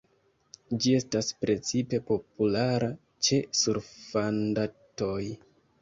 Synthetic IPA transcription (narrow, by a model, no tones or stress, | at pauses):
d͡ʒie̞staspɾe̞t͡sipe̞po̞pulaɾa | t͡ʃe̞suɾfandato̞j